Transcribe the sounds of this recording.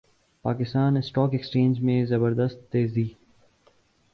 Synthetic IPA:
paːkɪst̪aːnɪsʈɔːkekst͡ʃẽːnd͡ʒmẽzɐbəɾd̪əst̪ːeːziː

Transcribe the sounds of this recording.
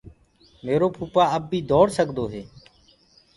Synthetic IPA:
meːɾoːpʰuːpaːəb̚ːʱiːd̪ʱɔːɽsəkd̪oːɦeː

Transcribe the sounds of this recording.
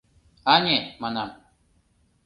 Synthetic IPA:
aɲemanam

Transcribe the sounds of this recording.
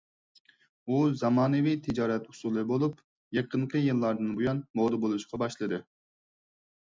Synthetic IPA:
uzɑmɑːnɨvit̪ʰɪd͡ʒɑːɾɛt̪hu̥sulˠɨbolˠup | jeqʰəɴqʰəjɨlˠːɑɾd̪ɨnbojɑnmod̪ɨbolˠuʃqʰɑbɑʃlˠɨd̪ɨ

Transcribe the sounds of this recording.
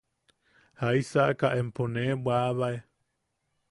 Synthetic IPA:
hajsaʔkaʔemponẽbwaβae

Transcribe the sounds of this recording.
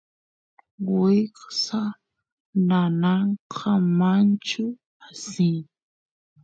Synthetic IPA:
wɪqsa | nanɑɴqʰɑmant͡ʃʊ | asɪŋ

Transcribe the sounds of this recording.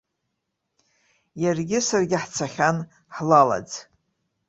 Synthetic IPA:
jarɡʲɪsarɡʲɪħt͡sʰaχʲan | ħlala̰d͡z

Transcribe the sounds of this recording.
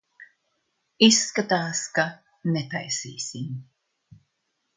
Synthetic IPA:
isːkat̪aːska | net̪a̰jsḭːsim

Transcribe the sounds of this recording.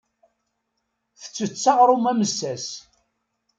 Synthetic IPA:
θə̥t͡sːət͡sːɑʁɾˤʊmæməsːæs

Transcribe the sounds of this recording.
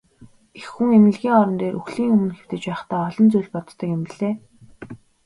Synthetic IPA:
exːuŋemɘ̆ɮɣʲiːŋɔɾɞ̆nt̪eːɾʔuxɮiːŋɵmɵ̆nxew̥t̪ɘ̆t͡ɕpæːχt̪æːɔɮɞ̆nt͡sujɮʲpɔt̪ːə̆kɪmpiɮeː

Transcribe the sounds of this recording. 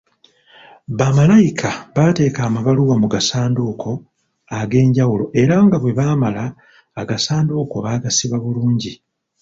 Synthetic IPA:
βamalajikʰaβate̞ːkaːmaβaluwamuɡasaːndoːkʰo̞ | aɡe̞ːɲɟawulo̞ʔe̞ɾaŋɡaβwe̞βaːmalaː | ɡasaːndoːkoβaɡasiβaβuluːɲɟi

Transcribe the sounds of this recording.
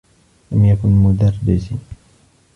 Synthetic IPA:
lamjakʊnmʊd̪arˤbɪzi

